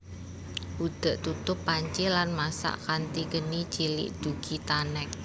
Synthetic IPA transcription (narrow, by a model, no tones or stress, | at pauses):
ʔud̪̥a̤ʔt̪ut̪ʊpːaɲt͡ʃɪlanmasa̰ʔkant̪ikənit͡ʃilɪ̰ʔd̥uɡ̥it̪anɛk̚